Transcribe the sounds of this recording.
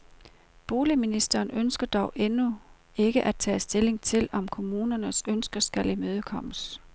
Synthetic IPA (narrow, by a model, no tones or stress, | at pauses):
b̥o̝ːliminisd̥ɐːnønsɡ̥ɐd̥ɒʊʔenu | e̝ɡ̥əʔæd̥̚t͡sʰɛ̰ːsd̥e̝le̝ŋt͡sʰe̝lɒ̽mkʰo̝muːnɐnəsønsɡ̥ɐsɡ̥ælimøːð̞ˠəkʰɒ̽m̰əs